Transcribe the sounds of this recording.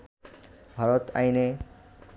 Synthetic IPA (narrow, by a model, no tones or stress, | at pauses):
bʱaɾɔt̪a̰jne